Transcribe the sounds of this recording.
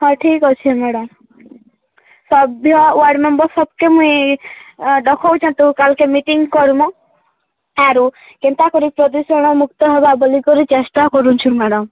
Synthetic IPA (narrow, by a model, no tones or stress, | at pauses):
hɔʈʰikɔt͡ʃʰiemɛɽɔm | sɔbʱjɔwaɾɖmembɔsɔb̚kemũĩ | ɖɔkʰɔwt͡ʃʰɔ̃nt̪ukalkemiʈiŋɡkɔɾmɔ | aɾu | kent̪akɔɾipɾɔd̪usɔɽ̃ɔmuk̚t̪ɔɦɔbabɔlikɔɾit͡ʃest̪akɔɾũt͡ʃʰumeɽɔm